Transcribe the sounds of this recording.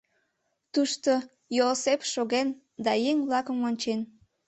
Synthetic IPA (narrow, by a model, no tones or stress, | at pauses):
t̪uʃt̪o | josepʃoɣen | d̪ɑjeŋβlɑkəmonʲt͡ɕen